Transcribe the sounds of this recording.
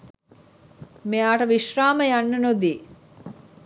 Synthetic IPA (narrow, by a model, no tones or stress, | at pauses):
meaːʈəʋiʃraːməjanːənod̪iː